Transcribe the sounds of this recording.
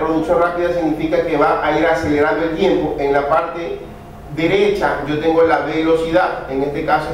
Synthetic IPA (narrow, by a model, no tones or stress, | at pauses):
pɾoðuksjo̞nrapiðasiɣnifikake̞βaʔaiɾase̞le̞ɾand̪oe̞lt̪je̞mpoʔeŋlapaɾt̪e̞ | ðe̞ɾe̞t͡ʃa̰ɟ͡ʝo̞t̪e̞ŋɡolaβelo̞siðaðeŋe̞st̪e̞kaso